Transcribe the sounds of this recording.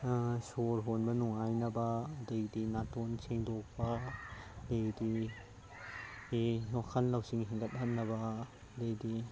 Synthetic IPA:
soɾɦonbɐnuŋajnɐbɐdejdinatonseŋdok̚pɐ | dejdi | ewakʰɐnlɐwsiŋɦeŋɡɐt̚hɐnːɐbɐ | dejdi

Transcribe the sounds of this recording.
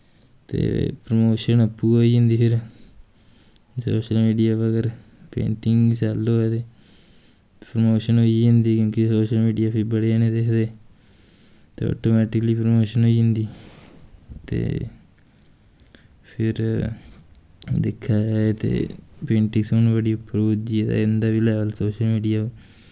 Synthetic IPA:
t̪ḛːpɾomoːʃənəpːuːɦoːiːɦʊ̃nd̪iːpʰɪɾ | so̰ːʃəlmiːɖijaːʋəɡəɾ | pḛ̃ːɳʈɪŋɡsaːlːoːeːt̪eː | pɾomoːʃənɦoːiːɦʊ̃nd̪iːkjõːkɪsoːʃəlmiːɖijaːpʰɪɾbəɽeaːnẽːd̪eːkʰd̪eː | t̪ḛːɔ̰ːʈoːmɛːʈɪkəliːpɾəmoːʃənɦoːiːɦɪ̃nd̪iː | t̪ḛː | pʰɪɾ | d̪ḛkʰːaːd͡ʒaːet̪ḛːpẽːɳʈɪ̃ŋɡsonbəɽiːʊpːɾoːd͡ʒiːɛːt̪a̰ɪnd̪aːʋiːlɛːʋəlsoːʃəlmiːɖijaːoː

